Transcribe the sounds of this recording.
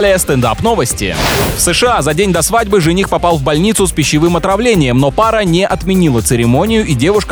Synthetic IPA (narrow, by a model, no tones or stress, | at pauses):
lʲɪjəst̪ɛnd̪a̰pno̞vəsʲtʲɪ̰fsɨʂɨazɐdʲenʲd̪ɐsvadʲbɨʐɨnʲixpɐpɑlˠvbɐlʲnʲit̪sʊspʲɪɕːɪvɨmɐt̪ɾɐvlʲenʲɪjəmnopaɾənʲeʔɐt̪mʲɪnʲilˠət̪sɨɾʲɪmo̞nʲɪjʊʔidʲe̞vʊʂk